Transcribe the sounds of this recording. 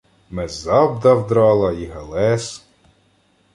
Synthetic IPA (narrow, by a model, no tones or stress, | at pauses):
mɛzɑbd̪ɐwd̪ɾɑlˠɐiɦelˠɛs